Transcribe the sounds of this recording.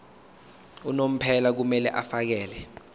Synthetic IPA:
unom̩pʰɛlak̬umɛlɛʔafak̬ɛːlɛ

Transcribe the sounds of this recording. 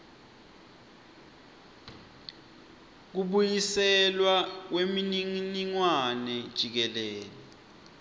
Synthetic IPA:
k̬uɓujisɛlwak̬weminiŋniŋwanɛd̥ʒ̥ʱik̬ɛlɛːlɛ

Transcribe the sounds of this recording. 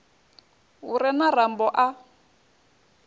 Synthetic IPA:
uɾɛnarambɔʔa

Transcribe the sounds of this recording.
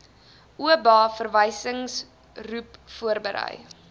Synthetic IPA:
ʔuəbɑːfərvəjsəŋs | rupfuərbəɾə̰j

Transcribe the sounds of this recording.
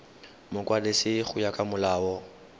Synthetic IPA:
mʊkwadɪsɪχʊjakʼamʊlaːɔ

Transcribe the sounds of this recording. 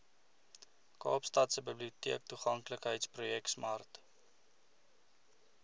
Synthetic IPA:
kɑ̰ːpstɐtsəbəbliutiək̚tuχɐŋkləkɦəjtsprujɛksmɐrt

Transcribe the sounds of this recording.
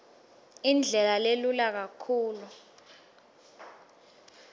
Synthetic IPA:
ind͡ɮʱɛlalelulak̬akʰuːlu

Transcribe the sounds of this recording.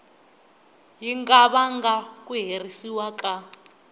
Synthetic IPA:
ɦiŋɡaβaŋɡak̬ʼuɦerisiwakʼa

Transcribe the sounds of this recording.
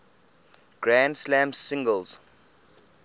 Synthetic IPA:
ɡ̥ɹãndslæ̃msɪ̃ŋɡəlz̥

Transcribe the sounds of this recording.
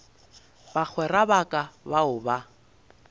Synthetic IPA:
bak͡xʰwɛrabakʼabaʊba

